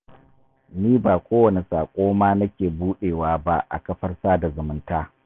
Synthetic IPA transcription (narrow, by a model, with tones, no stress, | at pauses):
niː˦baː˨kʷoː˦wɐ˨ne˨saː˨kʷʼoː˦maː˦nɐ˦kʲeː˨buː˦ɗeː˨waː˦ba˦ʔa̰˨kɐ˦ɸɐ˦rsaː˦da˨zʊ˨mɪ˦ntaː˦